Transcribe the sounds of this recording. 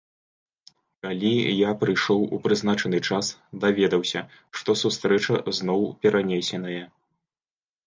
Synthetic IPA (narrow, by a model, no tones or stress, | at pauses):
kalʲijapɾɨjʂɔwupɾɨznat͡ʂɐnɨt͡ʂasd̪avʲɛd̪ɐwsʲɐʂt̪ɔsust̪ɾɛt͡ʂɐznɔwpʲɛɾʔanʲesʲɛnɐjɐ